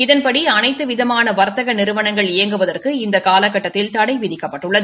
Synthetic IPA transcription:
ɪðɐnpɐɽiɐnɐɪt̪ːɯʋɪðɐmaːnɐʋɐɾt̪ːɐɣɐnɪɾɯʋɐnɐŋɡɐɭɪjɐŋɡɯʋɐðɐrkɯɪnd̪ɐkaːlɐkːɐʈːɐt̪ːɪlt̪ɐɽɐɪʋɪðɪkːɐpːɐʈːɯɭːɐðɯ

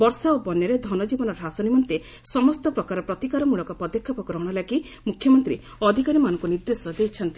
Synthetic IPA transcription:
bɔɾsaobɔnjɔɾed̪ʱɔnɔd͡ʒibɔnɔɾɾɦasɔnimɔnt̪e | sɔmɔst̪ɔpɾɔkaɾɔpɾɔt̪ikaɾɔmuɭɔkɔpɔd̪ekʰːɔpɔɡɾɔɽ̃ɔlaki | mukʰjɔmɔnt̪ɾi | ɔd̪ʱikaɾimanɔŋkuniɾd̪esɔd̪ejt͡ʃʰɔnt̪i

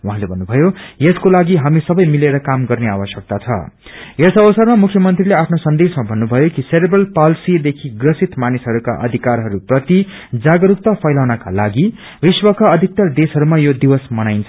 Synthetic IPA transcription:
wuɦãlebʱʌnːubʱʌjojeskolaɡiɦamisʌbʌjmileɾʌkamɡʌrneabʌsjʌk̚t̪at͡sʰʌ̰ | jesʌbʌsʌrmamukʰːjʌmʌnt̪rileapʰnosʌnd̪esmabʱʌnːubʱʌjokiseɾebrʌlpalsid̪ekʰiɡrʌsit̪manisɦʌɾuka̰ʔʌ̰d̪ʱikarɦʌɾuprʌt̪i | d͡zaɡʌɾuk̚t̪ʌpʰʌjlawnaka̰laɡi | riswʌkaʌd̪ʱik̚t̪ʌrd̪esɦʌɾumajod̪iwʌsmʌnajnt͡sʰ

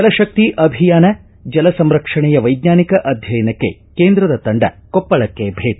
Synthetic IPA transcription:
ɐlɐʃɐk̚t̪iʔɐbʱijaːnɐ | d͡ʒɐlɐsɐmɾɐkʂɐɳɛjɐʋɐjd̪ɲaːnikɐʔɐd̪ʱjɐjɐnɐkːe̞̰ | keːnd̪ɾɐd̪ɐt̪ɐɳɖɐ̰kɔpːɐɭɐkːebʱeːʈ

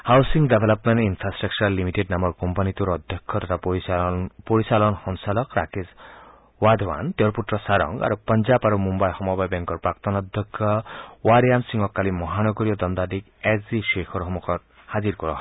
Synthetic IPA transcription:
hawsiŋɡɖebʱelɔpmenʈinpʰɾasʈɾak̚t͡ʃɔɾalimiʈeɖnamɔɾkɔmpanit̪uɾɔd̪ʱjɔkʰːɔt̪ɔtʰapipoɾisalɔnhɔŋsalɔkɾakes | wad̪ɔwa̰nt̪eoɾputɾɔsaɾɔ̰ŋɡa̰ɾupɔnd͡ʒabaɾumumbajhɔmɔbajbɛŋkɔɾpɾakt̪ɔnɔd̪ʱjɔkʰːjɔwaɾijamsiŋɔkːalimɔɦanɔɡɔɾijɔd̪ɔnd̪ad̪ik | ekziʃekʰɔɾɦɔmɔkɔt | had͡ʒiɾkɔɾɔɦ

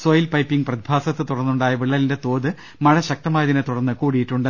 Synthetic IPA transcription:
soːjɐlpɐjpːiŋɡprɐd̪ibʱaːsɐt̪ːɨt̪uɽɐrnːuɳɖaːjɐʋiɭːɐlinde̞t̪o̞ːðɨ | mɐɻɐɕɐk̚t̪ɐmaːjɐðinɨt̪uɽɐnːɨkuːɽijiʈːuɳɖɨ

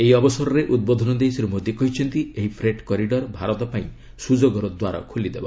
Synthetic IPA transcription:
eɦiɔbɔsɔɾɔɾeʔud̪̚bod̪ʱɔnɔd̪esɔɾemod̪ʱjikɔɦit͡ʃʰɔnt̪ieɦipʰɾeʈkɔɾiɖɔɾbʱaɾɔt̪ɔpaĩ | sud͡ʒoɡɔɾɔd̪waɾa̰kʰulid̪eba̰

